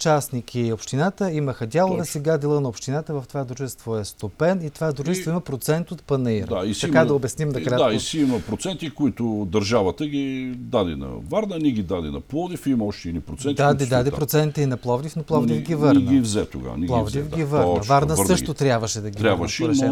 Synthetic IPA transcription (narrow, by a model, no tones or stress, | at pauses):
t͡ʃasnik̟ʰiopʃt̪inat̪əiməxɐd̪ʲalˠoɐsɛɡad̪ɛlˠənɐopʃt̪inat̪əvɐft̪ovad̪ɾuʒɛst̪voɛst̪opɛnit̪ovad̪ɾuʒɛst̪voimɐpɾot̪sɛnt̪ot̪pɐnɐiɾd̪aisɐkadd̪ɐobɛsnimnɐkɾaaisiimɐpɾot̪sɛnt̪ikoit̪ʊd̪ɐɾʒavət̪əɡʲid̪ad̪ɛ̰nɐ̰vaɾnəniɡʲid̪ad̪ɛnɐ̰plˠɔd̪ifimɐɔʃt̪ɛnipɾot̪sɛnt̪d̪ad̪ɛd̪ad̪ɛpɾot̪sɛnt̪əinɐplˠɔvd̪ʲifnɐplˠɔvd̪ivɡʲivəɾɾnɡ̪ivzɛt̪o̰ɡa̰nilˠɔvd̪ifɡʲivəɾnɐvaɾnəsɾsəʃt̪ot̪ɾʲjabvəʃɛd̪ɐɡʲiɾʲaabvəʃɛɾn